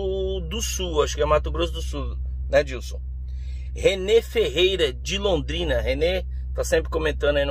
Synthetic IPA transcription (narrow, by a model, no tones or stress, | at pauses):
d̪ʊsuaʃʊ̥kɛmat̪ʊɡɾosʊd̪ʊsu | nɛd͡ʒiwsõw̃ | henefeɦejɾɐd͡ʒɪlõnd̪ɾĩnɐɦene | t̪asẽmpɾɪkõmẽnt̪ɐ̃nd̪ʊɐin